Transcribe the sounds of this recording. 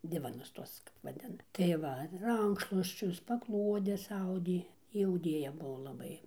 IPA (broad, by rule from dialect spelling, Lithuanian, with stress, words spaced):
ˈdʲɪʋɐnʊs ˈtuɔs ʋɐ ˈtʲɛn tɐɪ ˈʋɐ ˈrɐŋkʃlˠuɔsʲt͡ʃʲʊs pɐˈklˠuɔdʲɛs ˈɐʊdʲeː ˈjɪ ɐʊˈdʲeːjɛ ˈbʊʋoː lˠɐˈbɐɪ